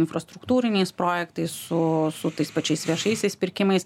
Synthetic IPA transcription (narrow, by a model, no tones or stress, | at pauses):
ɪnfɾɐst̪ɾʊkt̪uːɾʲɪnʲɛɪspɾoːjɛkt̪ɐɪssʊsʊt̪ɐɪspɐt͡ʃʲɛɪsʋʲiɛʃɐɪsʲɛɪspʲɪɾʲkʲɪmɐɪs